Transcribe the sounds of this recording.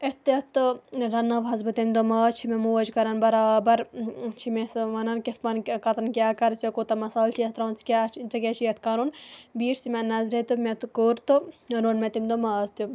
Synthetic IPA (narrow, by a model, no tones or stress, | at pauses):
et̪et̪ɨɾɐnːɐʋɐzbɨt̪imd̪omɐːt͡ʃʰimemuɐd͡ʒkɐɾɐnbɐɾaːbɐɾt͡ʃʰimesʋɐnɐnkispɐnkɐt̪ɐnkʲjaːkɐɾsʲjokot̪ɐmɐsaːlt͡ʃʰiɐt̪ɾaːnt͡skʲaːt͡ʃɐkʲet͡ʃʰijɐt̪̚ʰkɐɾunbiːʈʰsimenɐzɾet̪umet̪koːɾt̪ɨɐɾoːnmet̪imd̪omaːzt̪ju